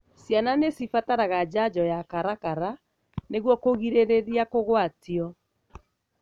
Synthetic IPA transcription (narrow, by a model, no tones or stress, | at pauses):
sjananesifataɾaɣad͡ʑad͡ʑɔjakaɾakaɾa | neɣwɔkoɣiɾeɾeɾjakoɣwatiɔ